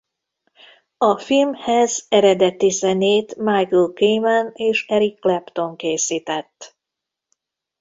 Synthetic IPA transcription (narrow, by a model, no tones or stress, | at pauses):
ɒfilmhɛzɛɾɛd̪ɛt̪izɛneːt̪majklkejmɛneːʃɛɾikːlɛpt̪o̞ŋkeːsiːt̪ɛt̪ː